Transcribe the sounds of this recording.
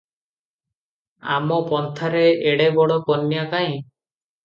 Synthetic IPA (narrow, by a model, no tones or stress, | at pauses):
a̰mɔpɔnt̪ʰaɾeeɽebɔɽɔkɔnːjakaĩ